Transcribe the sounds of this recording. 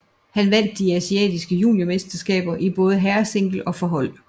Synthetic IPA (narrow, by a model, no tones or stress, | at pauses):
hænʋæn̰d̥ːiæsiɛ̰ːd̥isɡ̥əjṵːljo̝mesd̥ɐsɡ̥ɛ̰ːb̥ɐʔib̥ɔ̽ːð̞̩ˠəɦæɐse̝ŋ̰ɡ̥l̩ɒ̽fɒ̽ɦɒ̽l̰